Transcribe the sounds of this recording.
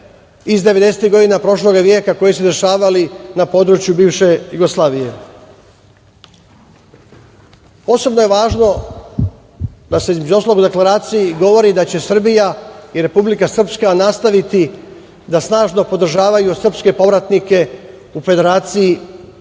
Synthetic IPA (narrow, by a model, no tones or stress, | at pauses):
izd̪e̞ʋe̞d̪e̞set̪iɡo̞d̪inapɾo̞ʃlˠo̞ɡaʋjekako̞jis̬ud̪e̞ʃaːʋalinapo̞ːd̪ɾut͡ʃjubiːvʃe̞juɡo̞slˠaːʋije̞̰ | o̞so̞bno̞je̞ʋaːʒno̞ | d̪aseizmed͡ʒuot̪aloud̪e̞klaɾaːt̪sijiɡo̞ʋo̞ɾid̪at͡ɕe̞sr̩bijaiɾe̞publikasr̩pskanast̪aʋit̪i | d̪asnaːʒno̞po̞d̪r̩ʒaːʋajusr̩pske̞po̞ʋɾat̪nike̞ | ufe̞d̪e̞ɾaːt̪siji